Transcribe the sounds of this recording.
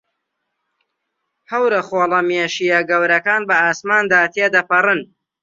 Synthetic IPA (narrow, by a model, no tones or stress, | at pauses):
hɐwɾɐχoːlˠɐmeːʃiːjɐɡɐwɾɐkaːnbɐaːsmaːnd̪aːt̪ʰeːd̪ɐpɐrɨn